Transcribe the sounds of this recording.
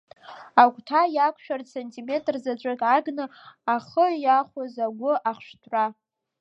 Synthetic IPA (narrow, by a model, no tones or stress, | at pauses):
akʷʼtʰajakʷʰʃᶣarsentʰime̞tʼrzat͡ɕʷʼɨkʼʕaɡnɨaχəjaχʷazaɡʷʊʔaχʂtʰʼra